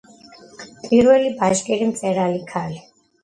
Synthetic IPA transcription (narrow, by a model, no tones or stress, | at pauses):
pʼiɾwɛlibaʒkʼiɾimt̪sʼɛɾalikʰali